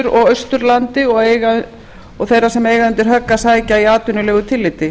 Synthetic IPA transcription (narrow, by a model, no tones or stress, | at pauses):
ɾɔɣœɥst̪ʏɾlant̪ɪɔɣeːjɣa | ɔɣθejɾasɛmeːjɣaʏnt̪ɪɾ̥ɦœkːasaːjcaiaːt̪ʏnʏlɛːɣʏt̪ʰɪlːɪt̪ɪ